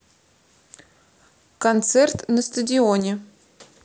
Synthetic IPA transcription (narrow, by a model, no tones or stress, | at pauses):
kɐnt̪sɛrt̪nəst̪ədʲɪonʲɪ